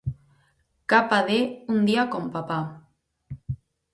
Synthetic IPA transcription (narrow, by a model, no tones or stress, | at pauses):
kapaðeund̪iakompapa